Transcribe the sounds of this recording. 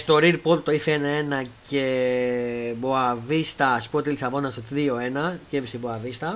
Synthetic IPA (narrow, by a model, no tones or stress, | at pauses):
st̪o̞ɾiɾpolt̪t̪ːo̞ifenɐe̞nɐce | boavist̪ɐːspuot̪ilisɐvo̞nɐsot̪ðio̞e̞nɐcevisiboɐvist̪ɐ